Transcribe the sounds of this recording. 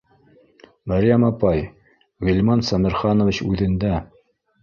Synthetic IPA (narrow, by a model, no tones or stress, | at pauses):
mæɾʲjæmɑpɑj | ʁɘ̆lʲmɑnsɑmɘ̆ɾχɑnŏvit͡ɕʉðɘ̆nd̪æ